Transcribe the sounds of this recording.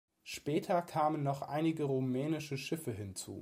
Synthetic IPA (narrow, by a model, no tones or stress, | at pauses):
ʃpɛːtʰɐkʰaːmənːɔχʔa̰ɪnɪɡəʁomɛːnɪʃəʃɪfəɦɪnt͡sṵː